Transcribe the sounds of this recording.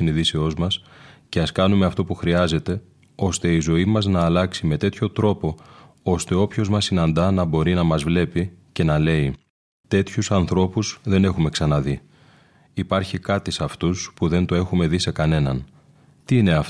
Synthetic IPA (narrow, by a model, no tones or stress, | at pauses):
iniðiseo̞zmɐsce̞ɐskɐnume̞ɐft̪o̞puxɾiɐze̞t̪e̞ | o̞st̪e̞izo̞imɐznɐːlɐksime̞t̪e̞t̪ço̞t̪ɾo̞po̞ | o̞st̪e̞o̞pço̞zmɐsinɐnd̪ɐnɐbo̞ɾinɐmɐzvle̞pice̞nɐle̞i | t̪e̞t̪çusɐnθɾo̞puzðe̞ne̞xume̞ksɐnɐði | ipɐɾçikɐt̪isɐft̪uspuðe̞nt̪oe̞xume̞ðise̞kɐne̞nɐn | t̪iine̞ɐf